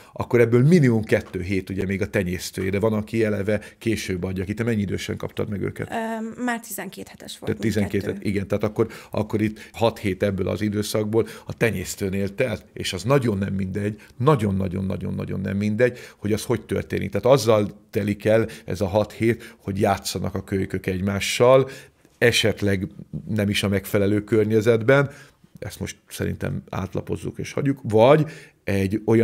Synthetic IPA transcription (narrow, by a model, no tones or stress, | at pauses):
ʔɒ̰kːo̞ɾɛbːøːlminimumkɛt̪ːøːɦeːt̪uɟɛmeːɡɒt̪ɛɲeːst̪øːjed̪ɛvɒnɒkiɛlɛvɛkeːʃøːbːɒɟːɒkit̪ɛmɛɲːiid̪ø̰ːʃɛ̰ŋkɒ̰pt̪ɒ̰d̪mɛɡø̰ːkɛ̰t̪maːrt̪izɛŋkeːt̪hɛt̪ɛʃʋo̰t̪ːt̪ːizɛŋkeːt̪ɛt̪iɡɛnt̪ɛɦaːt̪ɒkːo̞ɾɒ̰kːo̞ɾit̪ːhɒt̪heːt̪ɛbːøːlʔɒ̰zid̪øːsɒɡ̚boːlɒt̪ɛɲeːst̪øːneːlt̪ɛlḛːʃɒznɒɟo̞nːɛmːind̪ɛɟ | nɒɟo̞nːɒɟo̞̰nːɒ̰ɟo̞̰nːɒ̰ɟo̞̰nːɛ̰mːind̪ɛɟ̚ho̞ɟɒsho̞ct̪ø̰rt̪eːnḭkt̪aːt̪ɒzːɒlt̪ɛlikɛlɛ̰zɒɦɒt̪heːt̪ho̞ɟjaːt̪sɒnʔɒkɒkøjkøkɛɟmaːʃːɒl | ɛʃɛt̪lɛɡnɛmiʃɒmɛkfɛlɛløːkørɲɛzɛd̪bɛn | ɛ̰st̪mo̞ʃt̪sɛɾḭnt̪ɛ̰ma̰ːt̪lɒ̰po̞zːṵkḛːʃhɒ̰ɟːukvɒɟ | ɛɟːo̞j